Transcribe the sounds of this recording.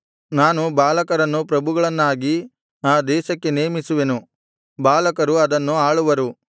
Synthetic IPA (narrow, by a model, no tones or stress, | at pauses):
naːnubaːlɐkɐɾɐnːupɾɐbʱuɡɐɭɐnːaːɡi | aːd̪ɛːʃɐkːe̞neːmisuʋe̞nu | baːlɐkɐɾuɐd̪ɐnːuaːɭuʋɐɾu